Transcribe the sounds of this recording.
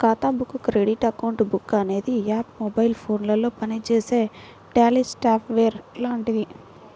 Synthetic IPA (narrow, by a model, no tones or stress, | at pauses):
kaːt̪aːbukːukɾeɖiʈɐkɐwuɳʈbukːɐne̞ːd̪iaːpmɔbɐjilpʰo̞ːnlɐlo̞ːpɐnit͡ʃeːse̞ː | ʈaːlisʈaːpʰʋeːɾlaːɐɳʈid̪i